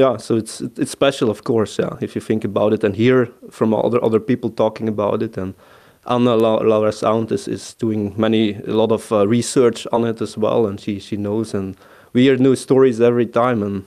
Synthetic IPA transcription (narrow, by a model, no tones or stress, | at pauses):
jæsoʊɨtsɪtɨtspɛʃl̩ˠɔfkʰɔɹsjæ̰ɪfjɨθɪ̃ŋkəbaʊɾɨtɨ̃nhiɹfɹɔ̃mʌ̰ðə˞ʔʌ̰ðə˞pipl̩ˠtʰɔkɪ̃ŋəbaʊtɨtɨ̃n | ʔa̰nəlalaʊəsã̰ʊ̃ntɪsɪ̰z̥d̥uɪ̃ŋmɛniə̰lɔɾɔvɹisɜ˞t͡ʃɔn̩ɪtəzwɛ̰lˠə̃nʃiʃinoʊzə̃n | wihiɹnjustɔɹizɛvɹitʰãɪ̃mə̃n